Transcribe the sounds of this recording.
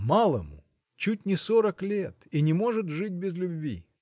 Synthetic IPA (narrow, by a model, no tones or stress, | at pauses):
malˠəmʊ̰ | t͡ɕut̚ʲnʲɪsoɾəklʲet̪inʲɪmo̞ʐɨt̪ʐɨt̚ʲbʲɪzlʲʊbʲvʲḭ